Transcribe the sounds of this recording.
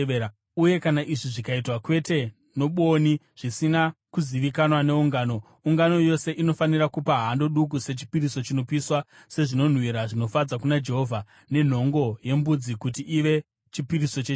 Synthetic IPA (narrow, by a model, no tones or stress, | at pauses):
uje̞kanaʔiʐiʐikaitwakwe̞te̞ | no̞ɓo̞ni | ʐ̥isinakuziʋikanwane̞uŋɡaːno̞ | uŋɡano̞jo̞se̞ʔino̞fanirakupaɦando̞ɗuk̬use̞t͡ʃi̥piɾiso̞t͡ʃino̞piswa | se̞ʐino̞n̤wiɾaʐino̞fad͡zakunad͡ʒe̞ɦo̞vʱa | ne̞n̤o̞ŋɡo̞je̞mbud͡zikutiʔiʋe̞ | t͡ʃipiɾiso̞t͡ʃe